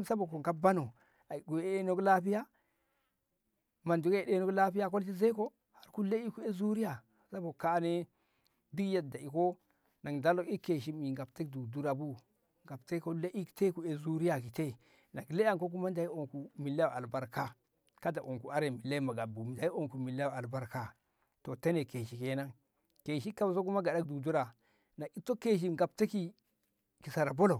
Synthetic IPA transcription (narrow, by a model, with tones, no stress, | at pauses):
sa˦bo˨ko˨ŋka˦ba˦no˨ | a˨i˨ɡu˨˦e˦e˦no˦ɡla˦pi˦ja˦ | ma˨ndu˨ke˨de˦no˦kla˦pi˦ja˦k̬o˦lti˦ze˦ko˦ | ha˨ɾku˦le˦i˦ku˦e˦zu˦ɾi˦ja˨ | sa˦bo˨ka˦ne˦ | di˦ɡja˦da˨i˨ko˦ | na˨ŋda˦lo˨ki˦kːe˨ʃ̬i˦mi˨ŋɡa˨pte˦kdu˨du˦ɾa˨bu˦ | ŋɡa˨bte˦ko˦le˦ʔi˦kte˦ku˨e˨zu˦ɾi˦ja˨ki˨te˦˨ | na˨kle˦a˦ŋko˦k̬u˦ma˦nda˨i˦o˨ŋku˨mi˨lːa˦˨a˨lba˨ɾka˦ | ka˦da˨ʔo˨ŋku˨a˦ɾe˨mi˨lːa˦i˦ma˨ɡa˨bu˨da˨˦i˦o˦˨ŋku˨mi˨la˦˨a˨lba˦ɾka˦ | to˨ta˦ne˨ke˨ʃi˨ke˨˦na˦ŋ | ke˨ʃi˦ka˦bs̬o˦ku˦ma˦ɡa˨da˦k̚du˨du˦ɾa˨ | na˨i˦to˦ke˦ʃ̬i˦˨mɡa˨p̚ta˦ki˦ | ki˨sa˨ɾa˨bo˦lo˨